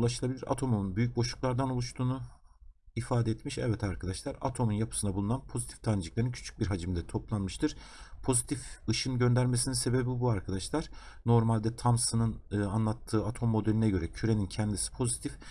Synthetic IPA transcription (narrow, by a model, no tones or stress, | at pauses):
ulˠaʃɯlˠabilʲiɾa̰t̪ʰo̞munbyjyc̚bo̞ʃuk̚lˠaɾd̪ano̞lˠuʃt̪ʰuːnu | ifaːd̪ɛɛt̪miʃɛ̰vɛt̪ʰaɾkʰad̪aʃlˠaɾa̰t̪ʰo̞munjapʰɯ̥sɯnabulˠunanpʰozit̪ʰi̥ft̪ʰand͡ʒɯklˠaɾɯncʰy̥t͡ʃʰy̥c̚biɾɦad͡ʒɯmd̪ɛt̪ʰo̞plˠanmɯʃt̪ɯɾ̥pʰo̞zit̪ʰifɯʃɯnɟø̞nd̪æɾme̞sininse̞be̞bibuaɾkʰad̪aʃlˠaɾ̥ | no̞ɾmalʲd̪ɛt̪ʰamsɯnɯnɯanlˠat̪ʰːɯːat̪ʰo̞mːo̞d̪elʲinɛɟø̞ɾɛcʰyɾe̞nincʰɛnd̪isi̥pʰo̞zit̪ʰif